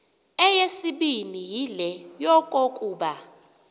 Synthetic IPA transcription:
ɛjesiɓinijilɛjɔkʼokʼuːɓa

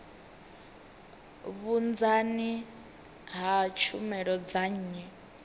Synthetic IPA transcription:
βund͡zani | ɦat͡ʃʰumɛɺɔd͡zaɲ̩ːɲɛ

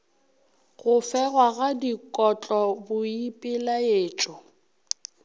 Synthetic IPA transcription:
ɣʊfɛɣwaɣadikʼɔt͡ɬʼɔbʊipʼɪlaeːt͡ʃʼɔ

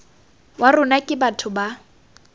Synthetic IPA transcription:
warʊnakʼɪbatʰʊba

